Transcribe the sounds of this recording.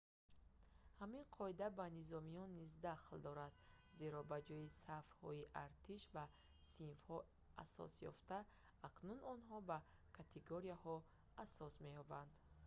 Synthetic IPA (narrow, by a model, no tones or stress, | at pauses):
haminqʰɔid̪abanizɔmijɔnːizd̪aχld̪ɔɾad̪ze̞ɾɔbad͡ʒɔjisafhɔ̰iʔaɾt̪ʰiʃba | sinfhɔ | a̰sɔ̰sjɔ̰ft̪aː | kʰnunɔnɦɔbakʰat̪ʰeɡoɾiahɔ | asɔsme̞jɔband̪